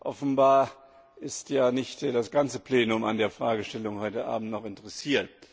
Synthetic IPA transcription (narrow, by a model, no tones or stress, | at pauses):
ʔɔfn̩baːɐ | ʔɪstjaːnɪçtd̥asɡ̥ant͡səpleːnʊma̰ndeːɐfʁ̥aːɡəʃtɛlʊŋhɔʏtəʔa̰ːbm̩tnɔχɪntəʁɛsiːɐt